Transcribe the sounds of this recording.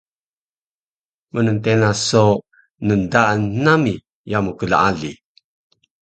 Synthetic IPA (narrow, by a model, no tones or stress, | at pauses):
mənəntenaso | nəndaːnːami | jamukəla̰aɮi